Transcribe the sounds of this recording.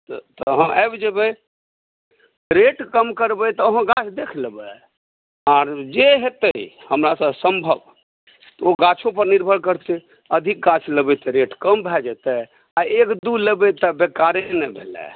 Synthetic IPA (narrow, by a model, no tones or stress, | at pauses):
t̪t̪ɔɦə̃ʔɛbd͡ʒəbɛ | ɾeʈkəmkəɾbɛt̪ɔəɦə̃ɡat͡ʃʰd̪ekʰləbə | aɾd͡ʒeɦet̪əihəmɾasəbsəmbʱəb | t̪ɔoɡat͡ʃʰõp̬əɾniɾbʱəɽkəɾt̪ɛ | əd̪ʱik̚ɡat͡ʃʰləbɛt̪ɛɾeʈkəmbʱɛd͡ʒɛt̪ɛ | aekd̪uləbɛt̪əbekaɾenɛbʱelɛ̰